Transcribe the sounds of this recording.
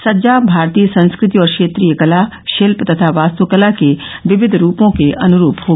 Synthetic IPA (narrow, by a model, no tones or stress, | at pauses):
sɐd͡ʒaːbʱaːɾt̪iːjəsɐ̃nskɾɪt̪iɔːɾkʃeːt̪ɾiːjəkɐla | ʃelpt̪ɐt̪ʰaʋaːst̪əʋkɐlakeʋɪʋɪd̪ʱɾuːpõkeʔɐnʊɾuːpɦoː